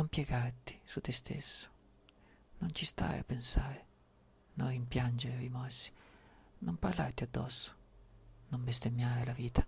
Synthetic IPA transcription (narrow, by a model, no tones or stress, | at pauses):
nɔmpjɛɡaɾt̪i̥sut̪ːɛst̪ʰḛsːʊ̥ | nɔnt͡ʃist̪a̰ja̰pːensaːɾɪ | nɔimpjand͡ʒeɾimɔsːi̥nɔmparlaɾt̪iad̪ːɔsːʊ̥nɔmbest̪emːjaːɪlaviːt̪ʰḁ